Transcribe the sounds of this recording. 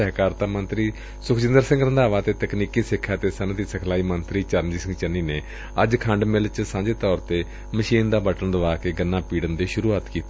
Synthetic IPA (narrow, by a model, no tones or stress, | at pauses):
ɛɦkaːɾt̪aːmənt̪ɾiː | sʊkʰd͡ʒɪ̃nd̪əɾsɪ̃ŋɡɾənd̪aːʋaːt̪eːt̪əkniːkiːsɪkʰːaːt̪eːsənt̪iːsəkʰlaːiːmənt̪ɾiːt͡ʃəɾəmd͡ʒiːsɪ̃ŋɡt͡ʃənːiːneː | əd͡ʒkʰə̃ɳɖmɪlt͡ʃsãːɲd͡ʒeːt̪ɔːɾt̪eː | məʃiːnd̪aːbəʈəɳd̪əʋaːkeːɡənːãːpiːɽənd̪eːʃʊɾuːaːt̪kiːt̪e